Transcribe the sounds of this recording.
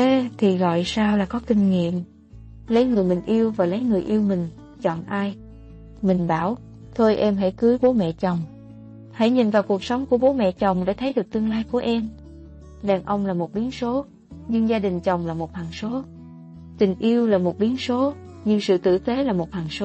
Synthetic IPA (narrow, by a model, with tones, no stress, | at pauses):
t̪ʰi˨˩ɣɔ̰˧˨jsaː˧wlaː˨˩kɔ˨˦kï˧ŋ̟ŋḭ˧˨əm | lə˨˦jŋɨ˨˩əjmï˨˩ŋ̟ʔi˧əwvaː˨˩lə˨˦jŋɨ˨˩əjʔi˧əwmï˨˩ŋ̟ | t͡ɕɔ̰˧˨nʔaː˧j | mï˨˩ŋ̟ɓaː˧˩w | t̪ʰo˧jʔɛ˧mɦa̰˧˩jkɨ˨˦ɓo˨˦mɛ̰˧˨t͡ɕə˨˩wŋ͡m | ha̰˧˥˩jɲḭ˨˩nvaː˨˩wku˨˩ək̚sə˨˦wŋ͡mku˧˩əɓo˨˦mɛ̰˧˨t͡ɕə˨˩wŋ͡mɗa̰˧˥t̪ʰə˨˦jɗɨ˨˩k̚t̪ɨ˧əŋlaː˧jku˧˩əʔɛ˧m | ɗaː˨˩ŋʔə˧wŋ͡mlaː˨˩mo˨˩t̚ɓi˨˦ənso˨˦ | ɲɨ˧ŋzaː˧ɗï˨˩ŋ̟t͡ɕə˨˩wŋ͡mlaː˨˩mo˨˩t̚haː˨˩ŋso˨˦ | t̪ï˨˩ŋ̟ʔi˧əwlaː˨˩mo˨˩t̚ɓi˨˦ənso˨˦ | ɲɨ˧ŋsɨ̰˧˨t̪ɨ̰˧˨t̪e˨˦laː˨˩mo˨˩t̚hwaː˨˩ŋso˨˦